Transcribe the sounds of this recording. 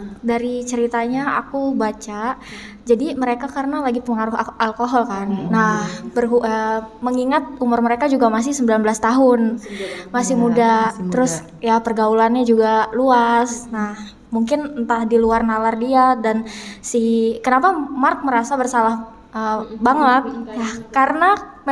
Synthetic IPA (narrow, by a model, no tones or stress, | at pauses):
daɾit͡ʃəɾit̪aɲaa̰kubat͡ʃa | d͡ʒadiməɾekakaɾənalaɡipəŋaɾʊɦalkoɦɔlkanːahbərɦuʔəməŋiŋat̪̚umʊrməɾekad͡ʒuɡamas̬ɪhsəmbilanbəlast̪aɦʊnmasɪhmudat̪əɾʊs | japərɡaulanɲad͡ʒuɡaluasnah | muŋkɪnt̪ahdiluarnalardiadansikənapamark̪̚məɾasabərsalah | əbaŋət̪̚jakaɾəna